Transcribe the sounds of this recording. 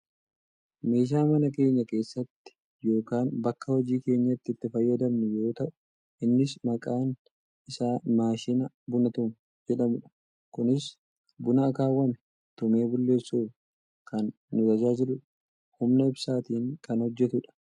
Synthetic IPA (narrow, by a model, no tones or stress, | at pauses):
me̞ːʃ̬aːmɐnɐke̞ːɲːɐke̞ːsːɐt̪ːɪ̥ | jo̞ːkaːnbɐkːɐwɐd͡ʒiːke̞ːɲːɐt̪ːɪɪt̪ːɪfɐjːɐd̪ɐmnʊjo̞ːt̪ɐʔʊ̥ | ʔɪnːɪsmɐkʼaːn | ʔɪsaːmaːʃɪnɐ | bʊnɐt̪ʊm | d͡ʒɛᶑɐmʊᶑɐ̥ | kʊnɪs | bʊnɐːkaːwɐm | t̪ʊme̞ːbʊlːe̞ːsːuːf | kɐnː | ʊt̪ɐd͡ʒaːd͡ʒɪɾʊᶑ | hʊmnɐɪbsaːt̪iːŋkɐnhɔd͡ʒːɛt̪ʊᶑɐ̥